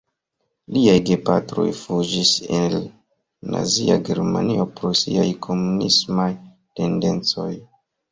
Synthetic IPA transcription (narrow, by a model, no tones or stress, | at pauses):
liajɡe̞patɾo̞̰jfud͡ʒisel | na̰zia̰ɡe̞ɾma̰nio̞pɾosiajkʰo̞munḭsmaj | te̞nde̞nt͡so̞j